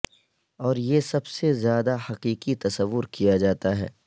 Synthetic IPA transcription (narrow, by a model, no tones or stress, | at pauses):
ɔːɾjeːsɐbsezjaːd̪ahɐqiːqit̪ɐsəʋːʊɾkijad͡ʒaːt̪aɦɛ̰ː